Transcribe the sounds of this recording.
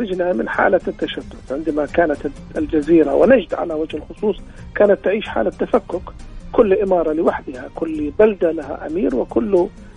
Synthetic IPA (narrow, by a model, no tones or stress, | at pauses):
ɾɪd͡ʒnamɪ̰nħa̰ːlat̪ːaʃad̪ːʊθʕɪnd̪amakaːnat̪ | ɪld͡ʒaziːɾa̰wɪ̰nad͡ʒd̪ʕa̰lawad͡ʒhɪlxʊsˤuːsˤ | kaːnat̪ːɪʕiːʃħa̰ːlat̪ːafakːʊkkʊlːʔɪmɑːɾˤɑlɪwaħd̪ɪhakʊlːbald̪alaɦa̰ʔa̰miːɾwɪkʊlːʊ